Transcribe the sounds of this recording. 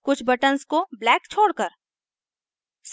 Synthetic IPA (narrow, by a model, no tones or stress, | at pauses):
kʊt͡ʃʰbɐʈənskoblɛːkt͡ʃʰoːɽkəɾ | s